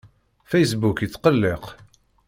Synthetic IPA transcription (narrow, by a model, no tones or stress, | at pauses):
fejsbukət͡sːqəlːeq